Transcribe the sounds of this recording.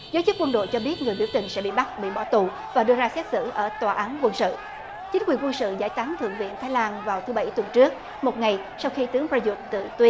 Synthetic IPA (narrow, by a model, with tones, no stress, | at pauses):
zəː˨˦jt͡ɕɨ˦˥tk̚wə˧nɗo̰˧˨jt͡ɕɔ˧ɓi˦˥ət̚ŋɨ˨˩əjɓi˧˩əwt̪ï˨˩ŋsɛ̰˧˥ɓḭ˧˨ɓa˦˥t̚ɓḭ˧˨ɓɔ˧˩t̪u˨˩ | vaː˨˩ɗɨ˧əzaː˧sɛ˦˥t̚sɨ̰˧˨ʔəː˧˩t̪waː˨˩ʔaː˨˦nkwə˧nsɨ̰˧˨ | t͡ɕi˨˦ŋ̟kwi˨˩ənkwə˧nsɨ̰˧˨zaː˧˩jt̪aː˨˦ŋt̪ʰɨ̰˧˨əŋvḭ˧˨ənt̪ʰaː˨˦jlaː˧nvaː˨˩wt̪ʰɨ˨˦ɓa˧˩jt̪wə˨˩nt͡ɕɨ˦˥ək̚ | mo˨˩t̚ŋa˨˩j | sa˧wxi˧t̪ɨ˨˦əŋpɹaː˧zu˨˧˩t̚t̪ɨ̰˧˨t̪wi˧